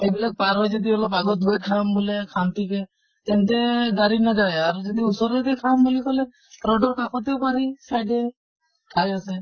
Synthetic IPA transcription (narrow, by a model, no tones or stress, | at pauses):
ebilak̚paɾɦɔjd͡ʒd̪iɔlɔpaɡɔt̪̚ɡuekʰɾambulekʰant̪ike | t̪ɛnt̪eɡaɾinaɡajaɾud͡ʒɔd̪iusɔɾed̪ikʰambulikɔle | ɾɔɖɔɾkakʰɔt̪iwpaɾisajɖe | kʰajase